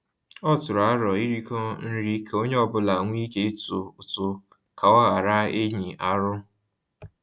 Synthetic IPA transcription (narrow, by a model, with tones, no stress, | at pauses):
ɔ˦tʊ˨ɾa˨˦ɾɔ˨i˦ɾi˦kɔ˦n̩˦ɾi˦ko˦ɲe˦ɔ˦bʊ˦la˨ŋʷ˦i˦ke˦e˦tu˨ʊ˨tʊ˨ | ka˨a˦ɣa˨ɾa˦e˦ɲi˨ʔa˨ɾʊ˦